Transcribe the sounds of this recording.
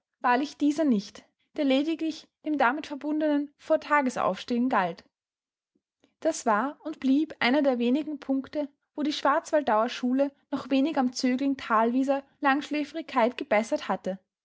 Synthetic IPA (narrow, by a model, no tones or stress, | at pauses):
v̥aːɐlɪçd̥iːzɐnɪçt | d̥eːɐleːdɪɡlɪçd̥eːmdamɪtfɛɐbʊndənənfoːɐtʰaːɡəsʔa̰ʊfʃteːʊnɡalt | d̥asv̥aːɐʊntb̥liːpʔa̰ɪnɐdeːɐveːnɪɡŋ̩pʰʊŋktə | voːɾiːʃv̥aɐt͡sv̥alt̚d̥aʊɐʃuːlənɔχv̥eːnɪɡamt͡søːɡlɪŋtʰaːlviːzɐlaŋʃleːfəʁɪçkʰːaɪtɡ̥əb̥ɛsɐthatə